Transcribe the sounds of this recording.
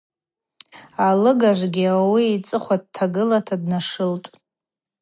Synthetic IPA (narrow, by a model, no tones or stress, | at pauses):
alɨɡaʒʷɡʲiawiːt͡sʼɨχʷad̚tʰaɡɨlatʰadnaʂɨltʼ